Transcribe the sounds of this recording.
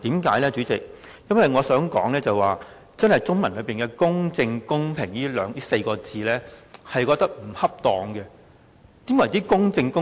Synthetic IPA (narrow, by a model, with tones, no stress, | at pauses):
t̪iː˨˥mkaː˨˥jlɛː˥t͡ʃyː˨˥t͡sɪ˨k̚ | jɐ˥nwɐ˨jŋɔː˨˧sœː˨˥ŋkɔ̰ː˨˥ŋlɛː˥t͡sɐ˨jwaː˨ | t͡sɐ˥nhɐ˨jt͡sʊ˥ŋmɐ˨˩nlɵ˨˧ɥpiː˨nkɛː˧kʊ˥ŋt͡sɪ˧ŋkʊ˥ŋpʰɪ˨˩ŋliː˥lœː˨˧ŋjiː˥se˧jkɔː˧t͡siː˨˧lɛ˥hɐ˨jkɔː˧k̚t̪ɐ˥k̚m̩˨˩hɐ˥p̚t̪ɔː˨ŋɡɛ˧ | t̪iː˨˥mwɐ˨˩jt̪iː˥kʊ˥ŋt͡sɪ˧ŋkʊ˥